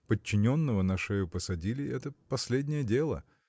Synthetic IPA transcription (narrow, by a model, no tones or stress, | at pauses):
pət͡ɕːɪnʲo̞nːəvənɐʂɛjʊpəsɐdʲilʲɪɛt̪əpɐsʲlʲedʲnʲɪjədʲe̞lˠə̰